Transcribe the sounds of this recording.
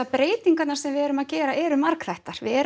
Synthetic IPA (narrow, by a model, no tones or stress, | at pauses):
apɾeːjt̪iŋkat̪naɾ̥sɛmvɪðɛːɾʏmaðcɛːɾaʔɛːɾʏmaɾkθajht̪aɾ̥vɪɛɾ